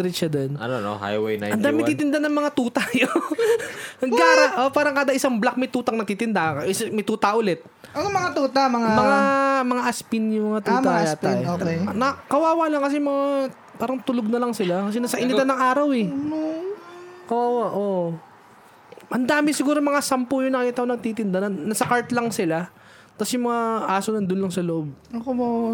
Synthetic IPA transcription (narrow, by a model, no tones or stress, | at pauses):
ɾɪt͡ʃːɐd̪onɐ̰nono̰ha̰jwejna̰ʔɐnd̪aːmɪnt̪it̪ɪnd̪anɐŋmɐŋat̪uːt̪ajo | nɐɡaɾaʔopaːɾɐŋkaːd̪ɐʔɪsaŋblak̚mɐjt̪uːt̪ɐŋnɐt̪it̪ɪnd̪aʔʔɪsmɐjt̪uːt̪ɐʔʊlɛt̪̚ | ʔɐnomɐŋat̪uːt̪amɐŋamɐŋamɐŋaʔɐspɪnjʊŋmɐŋat̪uːaɐjat̪aoːkenɐkɐwaːwalaŋkɐs̬ɛmɐŋa | paːɾɐŋt̪ʊloɡ̚nɐlɐŋsɪlakɐsɛnɐsɐʔɪnɪt̪anɐŋʔaːɾɐwɛ | kɐwaːwaʔoʔ | ʔɐnd̪aːmɪsɪɡuːɾomɐŋasampʊjʊŋnɐkiːt̪ɐʔonɐɡ̚t̪iːt̪ɪnd̪anɐːɐsɐkaɹt̪lɐŋsɪla | t̪ɐsjʊmɐŋaʔaːsonɐnd̪ʊnlɐŋsɐloʔo̞b̚ok